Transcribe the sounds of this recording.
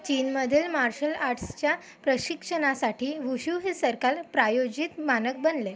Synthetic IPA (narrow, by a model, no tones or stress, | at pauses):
t͡ɕiːnməd̪ʱeːlmaɾɕəlaɾʈst͡ɕja | pɾəɕikʂənasaʈʰiːʋuɕuɦesəɾkalpɾajod͡ʑit̪manək̚bənle